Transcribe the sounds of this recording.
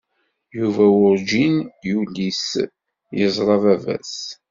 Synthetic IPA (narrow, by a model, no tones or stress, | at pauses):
juvæwʊɾd͡ʒinjulis | jəzˤɾˤɑvævæ̰s